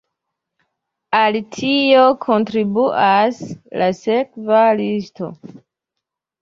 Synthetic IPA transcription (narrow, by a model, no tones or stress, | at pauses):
altʰio̞kʰo̞ntɾibuʔaslasekvalisto̞̰